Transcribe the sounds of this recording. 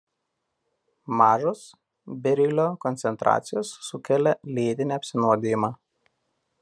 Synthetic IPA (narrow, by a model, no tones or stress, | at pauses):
mɑːʒos | bʲɛɾʲɪlʲoːkɔnt̪sʲɛnt̪ɾʔɑ̰ːt̪sʲɪjoːsːʊkʲɛlʲɛlʲeːd̪ʲɪnʲiɐpʲsʲɪnuɔd̪ʲejɪmɑː